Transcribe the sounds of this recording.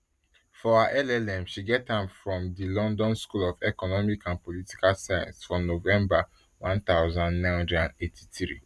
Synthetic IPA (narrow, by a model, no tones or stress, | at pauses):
fɔaʔɛlɛlɛ̃mʃiɡɛthãmfɹɔ̃mdilɔ̃ndɔ̃nskulɔvɛkɔnɔmikãnpɔliti̥kalsajã̰nsfɹɔ̃novɛ̃mba | wãnt̪aʊzãndnãɪ̃nhãndɹɛdãndetʰi̥θɹḭ